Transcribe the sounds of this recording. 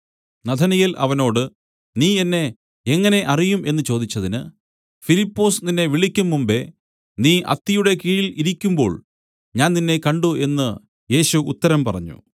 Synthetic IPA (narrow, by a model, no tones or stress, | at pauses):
nɐd̪ʰʱɐnɐjilʔɐ̰ʋɐno̞ːɽɨ | niːenːe̞ | eŋːɐne̞ʔɐrijumʔe̞nːɨt͡ɕo̞ːd̪it͡ɕːɐðinɨ | filipːo̞ːsninːe̞ʋiɭikʲːumːumbe̞ | niːʔɐ̰t̪ːijuɽe̞kiːɻiliɾikʲːumbo̞̰ːɭ | ɲaːnninːe̞kɐɳɖuʔe̞nːɨ | je̞ːɕuːt̪ːɐɾɐmpɐrɐ̰ɲːṵ